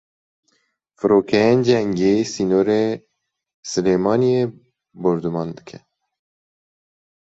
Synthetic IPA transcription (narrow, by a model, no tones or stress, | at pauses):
fɨɾoːkʰɛend͡ʒɛŋɡeːsiːnoːɾe | sɨleːmɑːnieː | boɾd̪umɑːnd̪ɨ̥kʰɛ